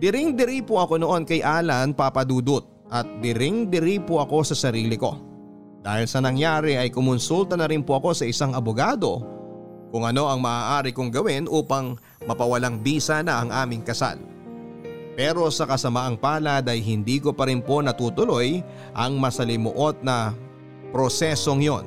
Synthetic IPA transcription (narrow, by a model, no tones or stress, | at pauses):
d̪̥ɪɾɪŋd̪ɪɾipoʔɐko̞no̞ʔo̞nkɐjʔaːlɐnpapɐd̪uːd̪ʊt̪̚ | ʔɐt̪̚d̪ɪɾɪŋd̪ɪɾipoʔɐko̞sɐsɐɾiːlɪko̞̰ | d̪̥aːhɪlsɐnɐŋjaːɾɛʔɐjkʊmʊnsult̪ɐnɐɾɪnpoʔɐko̞sɐʔɪsaŋɐbʊɡaːd̪o̞ | kʊŋʔɐno̞ʔɐŋmɐʔaːʔaːɾɪkʊŋɡɐwɪnʔuːpɐŋ | mɐpɐwɐlaŋbiːsanɐʔɐŋʔaːmɪŋkɐsa̰l | pɛːɾo̞sɐkɐsɐmaʔɐŋpaːlɐd̪ɐjɦɪnd̪iːko̞pɐɾɪnpo̞nɐt̪uːt̪ʊlo̞j | ʔɐŋmɐsɐlɪmoʔo̞t̪̚nɐ | pɾo̞sɛso̞ŋjo̞̰n